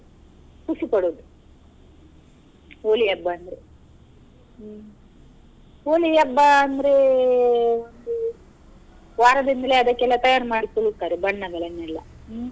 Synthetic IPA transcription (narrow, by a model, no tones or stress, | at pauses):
pusipɐɽoːd̪u | oːlijɐbːɐːnd̪ɐɾe | oːlijɐbːɐːnd̪ɐɾe | ond̪u | ʋaːɾɐd̪ind̪ɐleɐd̪ɐkːɛlːɐt̪ɐjaːnmaːɽisulukːaɾebɐɳːɐɡɐlenːɛlːɐ̰